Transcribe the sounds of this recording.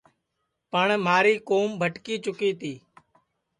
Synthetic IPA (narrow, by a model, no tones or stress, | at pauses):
pəɳmaːɾiːkoːmbʱəʈkiːt͡ʃʊkiːt̪iː